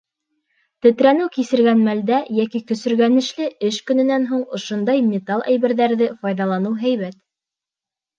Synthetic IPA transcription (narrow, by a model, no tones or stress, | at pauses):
t̪ɘ̆t̪ɾænɘwkisɘ̆ɾɡænmæld̪æjækikɵ̆sɘ̆ɾɡænɘ̆ʃlɘɘʃkɵ̆nɘ̆nænɦuɴŏʃond̪ɑjmʲɪt̪ɑlˠæ̰jβɘ̆ɾðæɾðɘfɑjðɑlˠɑnɤwɦæjβæt̪